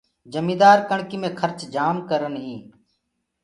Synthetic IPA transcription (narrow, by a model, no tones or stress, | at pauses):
d͡ʒəmĩːd̪aːɾkəɳkiːmẽːkʰəɾt͡ʃd͡ʒaːmkəɾənɦĩː